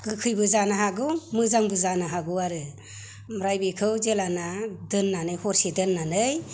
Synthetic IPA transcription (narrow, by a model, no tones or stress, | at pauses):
ɡɯkʰɯjbɯzanaɦaɡɯmɯzaŋbɯzanaɦaɡɯwaɾɯ | mɾajbikʰɯwzelanadɯnːanɯjhɔɾsedɯnːanɯj